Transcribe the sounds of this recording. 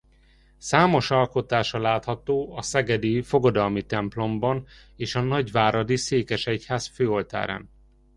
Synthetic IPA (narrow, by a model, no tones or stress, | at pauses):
saːmo̞ʃɒlko̞t̪aːʃɒlaːt̪hɒt̪oːɒsɛɡɛd̪ifo̞ɡɒd̪ɒlmit̪ɛmplo̞mbɒn | eːʃɒnɒɟʋaːɾɒd̪iseːkɛʃɛchaːsføːo̞lt̪a̰ːɾa̰ːn